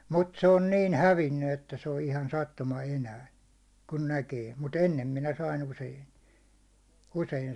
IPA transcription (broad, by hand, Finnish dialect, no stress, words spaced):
mut se on niːn hæʋinːy etːæ se on ihɑn sɑtːumɑ enæː kun nækeː mut enːem minæ sɑin usein̞ usein